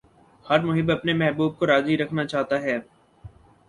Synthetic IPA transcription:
hɐɾmʊɦɪbɐpnemɛɦbuːb̚koɾaːziɾɐkʰnat͡ʃaːɦt̪aɦɛː

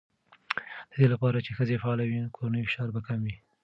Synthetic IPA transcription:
d̪̥əd̪elapɑɾat͡ʃexəzefaɑlawinkʰoɾanəjfɪ̥ʃɑɾbakamwi

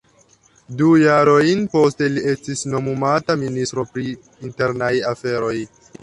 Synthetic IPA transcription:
dujaɾo̞jnpo̞ste̞lie̞stisno̞mumataministɾo̞pɾiː | nte̞ɾnajafe̞ɾo̞j

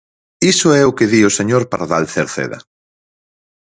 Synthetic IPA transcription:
isʊɛʊkeðioseɲoɾpaɾaðalθeɾθḛðɐ̰

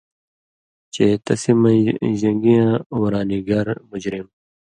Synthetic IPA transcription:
t͡ɕeːt̪ɐsimɐ̃ʑɐ̃ŋɡijãːwɐɾaːniɡaːɾmʊd͡ʑɾim

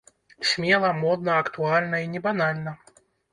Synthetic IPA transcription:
sʲmʲɛlˠɐmɔd̪nɐɐkt̪ualʲnɐinʲɛbanalʲnɐ

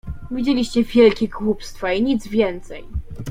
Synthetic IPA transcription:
vʲid͡ʑelʲiɕt͡ɕɛvʲjɛlkʲɛɡwupst̪faiɲid̪zvʲjɛnt̪sɛj

